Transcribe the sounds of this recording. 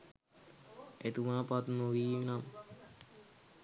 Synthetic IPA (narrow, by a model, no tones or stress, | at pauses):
et̪umaːpat̪noʋiminam